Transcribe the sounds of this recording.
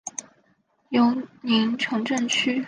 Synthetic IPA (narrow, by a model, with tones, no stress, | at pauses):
jo˧˥ʊni˧˥ŋʈ͡ʂʰɤ˧˥ŋʈ͡ʂə˥˩nt͡ɕʰy˥